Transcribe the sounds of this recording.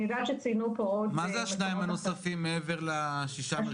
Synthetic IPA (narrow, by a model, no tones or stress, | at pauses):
idaʃet͡sinupootmazɛaʃnaimanosafimːeeveʁlaʃiʃa